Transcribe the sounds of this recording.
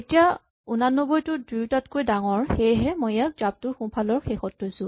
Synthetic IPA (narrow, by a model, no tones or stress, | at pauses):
etija | unanːɔbɔjtʊdujtatkojdaŋɔɹxejɦɛmojɛk̚zab̚tʊɹxũpʰalɔɹxexɔtːɔjsʊ̃